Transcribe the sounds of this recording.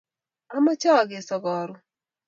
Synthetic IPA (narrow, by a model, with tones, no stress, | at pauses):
a˦ma˦t͡ʃa˦˨ɡɪ˨sɔ˨ɡɔ˨ɾʊ˦